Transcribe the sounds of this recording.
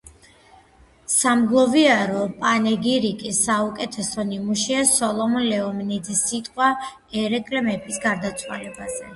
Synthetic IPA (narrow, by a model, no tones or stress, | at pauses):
samɡlˠɔviaɾɔpʼanɛɡiɾikʼisaukʼɛt̪ʰɛsɔnimuʃiasɔlˠɔmɔnlɛɔmnid̪zisːit̪ʼqʼwa | ɛɾɛkʼlɛmɛpʼisɡaɾd̪at̪sʰwa̰lɛbazɛ